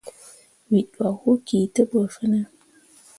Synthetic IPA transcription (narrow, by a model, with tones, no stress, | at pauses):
wi˨ɗwa˨hu˦ki˨tə˦ɓə˨fə˦nə˦